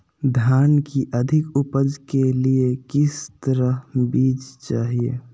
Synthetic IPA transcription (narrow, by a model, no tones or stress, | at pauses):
d̪ʱjaːnkiʔəd̪ʱɪkʊpəd͡ʒkeliekɪst̪əɾəɦbiːd͡ʒt͡ʃaːɦiḛ